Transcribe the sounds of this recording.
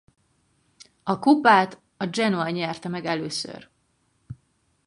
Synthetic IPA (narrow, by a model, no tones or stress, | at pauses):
ɒkupaːt̪ | ɒd͡ʒɛnoɛɲɛrt̪ɛmɛɡɛløːsø̰r